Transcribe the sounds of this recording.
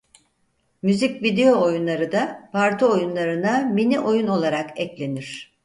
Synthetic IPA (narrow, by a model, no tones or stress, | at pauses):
myzicvid̪e̞jo̞ːjunlˠaɾɯd̪apʰaɾt̪ʰoojunlˠaɾɯnaminiʔo̞juno̞lˠaɾakɛclʲe̞niɾ̝̥